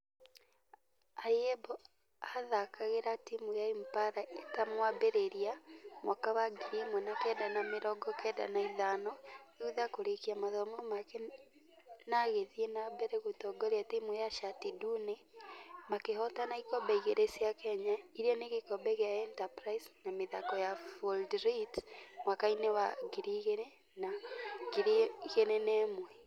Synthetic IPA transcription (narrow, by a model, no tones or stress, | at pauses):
ajebɔ | aðakaɣeɾatimujaimpaɾaetamwabeɾeɾiamwakawaɡiɾimɔnakɛːdanameɾɔɡɔkɛːda̰naiðanɔuðakoɾekiamaðɔmɔmake | naɣeðienabɛɾeɣutɔɡɔɾeatimwɛjaʃatidunemakehɔtanaikɔbɛiɣeɾesiakɛɲaiɾiɔneɣekɔbɛɣaɛntapɾaisnameðakɔjafoldɾitmwakainewaɡiɾiɣene | naɡiɾiɣenenɛːmwɛ